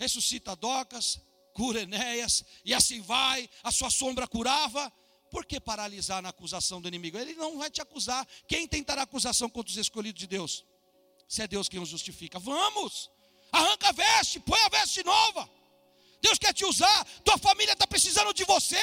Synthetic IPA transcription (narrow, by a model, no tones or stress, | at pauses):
hesusit̪ɐd̪ɔkɐs | kuɾɐenɛjɐsɪasĩvajɐsuɐsõbɾɐkuɾavɐ | poɾkepaɾalizaɾnɐːkuzasɐ̃w̃d̪ʊinẽmiɡʊelɪnɐ̃w̃vajt͡ʃɪakuzaɾkẽj̃t̪ẽj̃t̪aɾaːkuzasɐ̃w̃kõnt̪ɾʊzeskoʎid̪ʊzd͡ʒɪd̪ews | sɪɛd̪ewskẽnʊzʒust͡ʃifikɐvɐ̃mʊs | ahɐ̃ŋkavɛst͡ʃɪpõj̃ɐvɛst͡ʃɪnɔvɐ | d̪ewskɛɾt͡ʃɪuzaɾt̪uɐfamiliɐt̪apɾesizɐ̃nd̪ʊd͡ʒɪvose